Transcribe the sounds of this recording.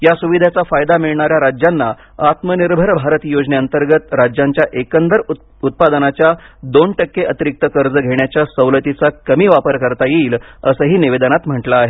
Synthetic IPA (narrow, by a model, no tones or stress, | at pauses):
jasuʋid̪ʱat͡safajd̪amiɭɳaɾjaɾad͡ʑjanːa | at̪məniɾbʱəɾbʱaɾət̪jod͡zneənt̪əɾɡət̪ɾad͡ʑjaɲt͡ɕjaʔekənd̪əɾ | ut̪̚pad̪ənat͡ɕjad̪onʈəkːeʔət̪iɾik̚t̪əkəɾd͡zəɡʱeɳ̃jat͡ɕjasəwlət̪it͡sakəmiːʋapəɾkəɾt̪ajiːləsəɦiːniʋed̪ənat̪m̤əʈlaːɦe